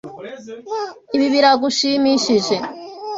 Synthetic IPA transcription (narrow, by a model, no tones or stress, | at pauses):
iβiβiɾaɡuʃimiʃiʒe